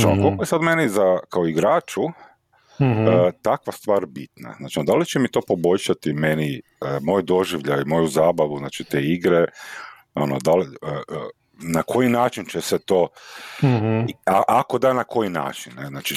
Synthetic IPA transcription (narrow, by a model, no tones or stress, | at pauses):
akolkojesad̪menizakaoiɡɾaːt͡ʃu | ət̪akʋast̪ʋaːɾbit̪na̰znaːt͡ʃid̪alit͡ʃemit̪o̞ːpo̞bo̞ʎʃat̪ime̞ni | əmoːjd̪o̞ʒiʋʎajmo̞juzaːbaʋuznaːt͡ʃit̪eːiɡɾe | onod̪aliə | nakʰo̞jinaːt͡ʃint͡ʃeset̪o̞ː | aʔako̞d̪anakʰo̞jina̰ːt͡ʃinːeznaːt͡ʃi